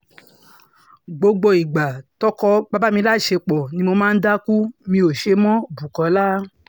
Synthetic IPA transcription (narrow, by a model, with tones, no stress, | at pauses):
ɡ͡bo˧ɡ͡bo˧i˨ɡ͡ba˨tɔ˦kɔ˧ba˦ba˦mĩ˧˦la˦˨ʃe˧k͡pɔ˨nĩ˧˦mo˧mãː˦n̩˦da˦ku˦mĩ˧o˨ʃe˧˦mɔ̃˦bu˨kɔ̃˨˦laː˦